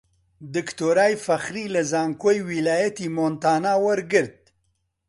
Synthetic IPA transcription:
d̪əkt̪oɾɑːjfaxɾilazɑːŋkojwilaːjat̪imont̪aːnaːwaɾɡəɾd̪̚

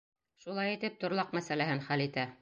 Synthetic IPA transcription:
ʃulˠɑjit̪ɘp̚t̪ŏɾlˠɑqmæsælæhɘnχælit̪æ

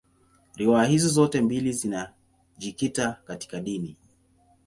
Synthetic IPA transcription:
ɾiwaːhizɔzɔtɛmbilizina | ʄikitakati̥kaɗini

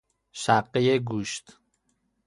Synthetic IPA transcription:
ʃæqːejeɡuːʃt̪

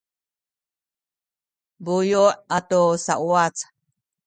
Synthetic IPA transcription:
bujoʔat̪osaʔwat͡sḁ

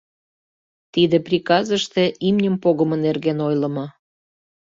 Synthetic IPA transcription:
t̪id̪eprʲikɑzəʃt̪eʔimnʲəmpoɣəmənerɣenojlə̆mɤ

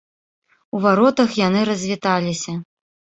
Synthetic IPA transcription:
uvaɾɔt̪ɐxjanɨɾɐzʲvʲit̪alʲisʲɐ

